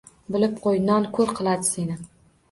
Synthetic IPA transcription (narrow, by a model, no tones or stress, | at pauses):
bɪlɪp̚qʰojnɒnkʰɵɾqʰɨlˠad̪ɪse̞nɪ